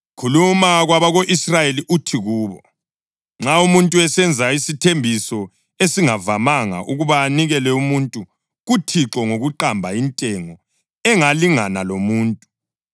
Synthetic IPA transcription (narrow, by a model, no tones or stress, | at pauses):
kʰulumaɣwaβaɣoʔisrajeliʔutʰiɣuːβɔ | ŋ͡ǁaumuntʼuɛsɛnd͡zʱaisitʰembʱisɔ | esiŋavamaŋa̰ʔuɣuβaːniɣɛlɛumuntʼu | ɣutʰiǁɔŋoɣuǃambʱaintʼɛŋɔ | ɛŋaliŋanalomuːntʼu